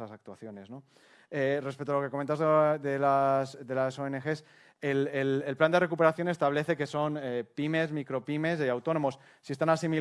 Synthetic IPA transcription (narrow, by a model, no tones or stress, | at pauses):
asak̚t̪waθjo̞ne̞zno̞ | erepet̪ualoke̞koment̪azððelasd̪e̞laso̞enexe̞s | elelelpland̪ere̞kupeaθjo̞ne̞st̪aβ̞le̞θe̞ke̞so̞nepime̞zmikɾo̞pime̞seawt̪o̞no̞mo̞sːiet̪anasimi